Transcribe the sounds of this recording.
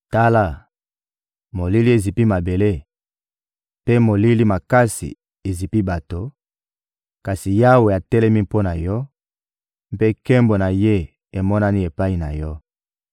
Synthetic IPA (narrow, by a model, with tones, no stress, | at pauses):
ta˦la˦˨ | mo˨li˦li˦e˨zi˨pi˦ma˨be˨le˦ | pe˦mo˨li˦li˦ma˨ka˦sḭ˨ | e˨zi˨pi˦ba˨to˦ | ka˨si˨ja˦we˨a˨tɛ˦lɛ˦mi˦po˦na˨jɔ˦ | mpe˦kɛ˦mbo˨na˨je˦ | e˨mɔ˦na˦ni˦e˨pa˦i˨na˨jɔ˦